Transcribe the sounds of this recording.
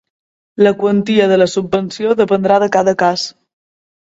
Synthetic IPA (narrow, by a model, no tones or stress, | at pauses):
ləkwənt̪iəðələsubːənsioðəpənd̪ɾaðəkaðəkas